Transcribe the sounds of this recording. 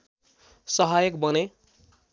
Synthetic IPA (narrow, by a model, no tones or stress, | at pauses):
sʌɦajʌk̚bʌne